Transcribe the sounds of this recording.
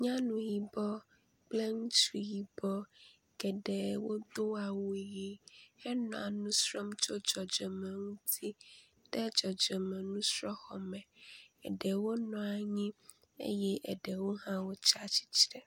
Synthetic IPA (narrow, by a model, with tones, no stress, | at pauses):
ɲã˦nũ˨ɦi˨bɔ˦ | k͡plɛ˦ŋũ˦t͡ʃi˨ji˨bɔ˦ | ɡɛ˨ɖɛ˨wo˦d̪o˦a˨wo˨ji˨hɛ˦nɔ̰̃˨a˨nũ˦sɾɔ˦mt͡ʃɔ˦d͡ʒɔ˨d͡ʒɔ˨mɛ̃˨ŋũ˦tʰi˦ | ɖ̥ɛ˦d͡ʒɔ˨d͡ʒɔ˨mɛ̃˨nũ˦sɾɔ˦xɔ˨mɛ̃˨ɛ̰˨ɖɛ˨wo˦nɔ̃˨˦a˨ɲĩ˦ | ḛ˦jɛ˦ʔɛ̰˨ɖɛ˨wo˦hã˦wo˦t͡ʃa˦t͡ɕi̥˦t͡ɕɾɛ˨